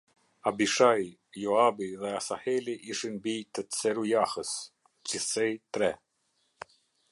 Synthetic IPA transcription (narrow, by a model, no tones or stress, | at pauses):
abiʃaj | jɔabiðɛasahɛliʔiʃinbit̪ət͡sɛɾujahəs | d͡ʒisɛjt̪ɾɛ